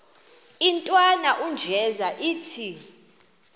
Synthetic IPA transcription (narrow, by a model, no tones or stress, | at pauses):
intʼwanaʔund͡ʒʱɛzaʔiːtʰi